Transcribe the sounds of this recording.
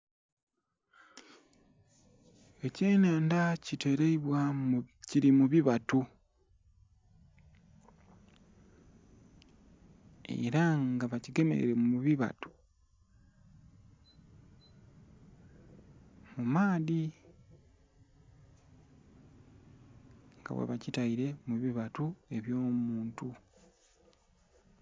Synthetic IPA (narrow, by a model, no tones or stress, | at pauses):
eceːnaːndacite̞ɾeiβwaciɾimuβiβatu | e̞̰ɾaŋɡaβaciɡe̞me̞̰ɾḛɾemuβiβa̰tu̥ | mumaːði | ŋɡa̰βwḛβacitaiɾe̞muβiβatue̞βjo̞ːmmuːntu